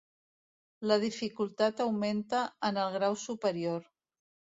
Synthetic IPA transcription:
ləð̞ifikulˠt̪at̪əwment̪əənəlˠɣɾawsupəɾioɾ

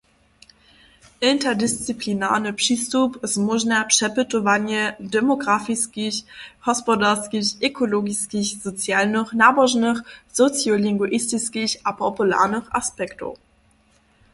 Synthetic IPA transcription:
ʔɪntɐdɪst͡siplina̰ːʁnəpʃistupəsmuʒnapʃɛpətovanjədemoɡʁafiskiçhɔspodaʁskiʔekʰoloɡiskiçz̥ot͡sjaːlnəχnaːboʒnəχz̥ot͡sjolɪŋɡuʔɪstiskiɕapʰopulɛ̰ːʁnəχʔa̰spɛkto̰

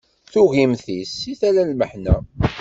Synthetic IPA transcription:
θuʝimθisiθælælməħnæ

